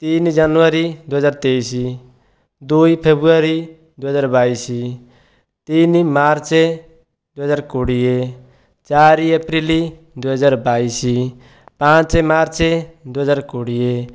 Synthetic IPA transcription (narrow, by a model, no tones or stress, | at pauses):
t̪ind͡ʒanuʋaɾid̪uɦəd͡ʒaːɾt̪ejsi | d̪uipʰebɾuaɾi | d̪uɦəzaːɾbaisi | t̪inimaɾt͡ʃe | d̪uɦəzaːɾkoɽije | t͡ʃaɾiəpɾili | d̪uɦəd͡ʒaːɾbaisi | pãt͡ʃemaɾt͡ʃed̪uɦəzaːɾkoɽije